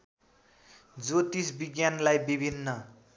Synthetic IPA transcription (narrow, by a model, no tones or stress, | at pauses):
d͡zot̪isbiɡjanlajbibʱinːʌ